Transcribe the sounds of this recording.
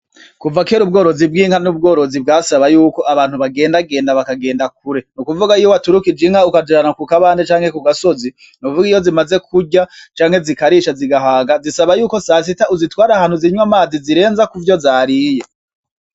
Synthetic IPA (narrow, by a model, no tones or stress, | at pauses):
kuvakeːɾubɡo̞ːɾo̞zib̚ɡiːŋhanub̚ɡo̞ːɾo̞zib̚ɡaːsaβajuːko̞ʔaβaːn̥huβaɡe̞ːndaɡe̞ːndaβakaɡe̞ːndak̚uɾe̞nukuvuɡaijoβatuɾukid͡ʒiŋhaukad͡ʒiɾanakukaβaːndet͡ʃaːŋhe̞kuɡaso̞zi | nuvuɡijo̞zimaze̞kʰuɟat͡ʃaːŋhe̞zikaɾiʃaziɡaɦaːɡazisaβajuːko̞sas̬itauzitwaːɾahaːn̥huziɲwamaːziziɾe̞ːnzakuvjo̞zaːɾije̞